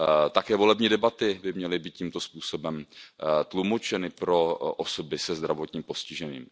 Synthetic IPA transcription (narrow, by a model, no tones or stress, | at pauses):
t̪akɛːvo̞lɛbɲiːdɛbat̪ɪbɪmɲɛlɪbiːt̪̚cimt̪ospuːso̞bɛmt̪lumot͡ʃɛnɪpɾo̞ʔoso̞bɪsɛzd̪ɾavo̞t̪ɲiːmpo̞scɪʒɛnḭːm